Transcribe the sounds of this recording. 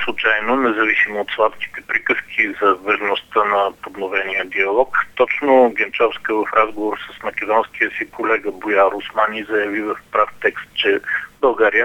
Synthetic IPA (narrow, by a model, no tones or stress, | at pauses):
slˠut͡ʃajnonɛzɐvisimoːt̪slˠat̪ki̥t̪ɛpɾikəskʰizɐvɐʒnost̪ənɐpod̪novɛnijəd̪iɐlˠɔkt̪ɔt͡ʃnoɡɛnt͡ʃɔfskəvɐfɾʔazɡovoɾsəsmɐkʲɛd̪ɔnskijəsikolɛɡəbojaɾʊsmanizɐjɐvivɐfpɾaft̪ɛkst̪̚t͡ʃɛbəlˠɡaɾijə